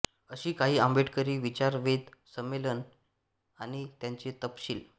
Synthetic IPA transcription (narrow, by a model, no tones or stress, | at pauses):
əɕiːkaɦiːə̃mbʱeʈkəɾiːʋit͡ɕaɾʋed̪səmːelən | aɽ̃it̪jãɲt͡ɕet̪əpɕiːl